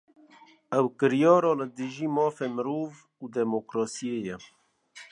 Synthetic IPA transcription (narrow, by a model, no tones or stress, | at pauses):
ɛwkɨɾjɑːɾɑːlɨd̪ɨʒiːmɑːfeːmɨɾuːv | uːd̪ɛmokɾɑːsieːjɛ